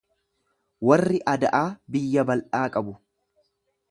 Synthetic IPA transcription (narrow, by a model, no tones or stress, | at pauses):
wɐrːɪʔɐd̪ɐʔaːbɪjːɐbɐlʔaːkʼɐbʊ